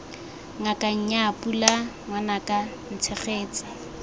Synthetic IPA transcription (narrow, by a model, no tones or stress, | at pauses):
ŋakʼaɲ̩ɲaːpula | ŋwanakʼa | n̩t͡sʰɛχeːt͡sḁ